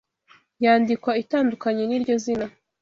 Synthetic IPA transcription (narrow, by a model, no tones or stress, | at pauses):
jaːndikwaitaːndukaɲeniɾɟo̞zina